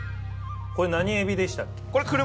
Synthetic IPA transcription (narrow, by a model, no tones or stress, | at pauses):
koɾenaɲiebʲid̪e̞ɕi̥t̪akːe̥koɾekɯɾɯ